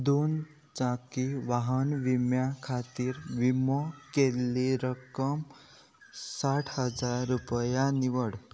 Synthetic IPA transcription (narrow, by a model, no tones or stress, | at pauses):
d̪on | t͡ʃãkiʋaɦʌnʋimjakʰat̪iɾʋimɔkelːeɾʌkʌm | saʈʰhʌd͡zaɾːupəjaniwʌɽ